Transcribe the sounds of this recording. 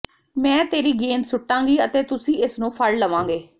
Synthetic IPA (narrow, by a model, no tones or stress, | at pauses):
mɛ̃ːt̪eːɾiːɡeːnsʊʈːãːŋɡiːət̪eːt̪ʊsĩːɪsnũːpʰəlːəʋãːŋ̆ɡeː